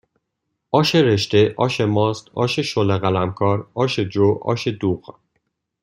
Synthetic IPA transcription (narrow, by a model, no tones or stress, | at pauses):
ʔɒːʃeɾe̞ʃt̪e̞ʔɒːʃemɒːst̪ɒ̰ːʃeʃoleɣælæmkʰɒːɾɒːʃed͡ʒoːʔɒ̰ːʃed̪uːɣ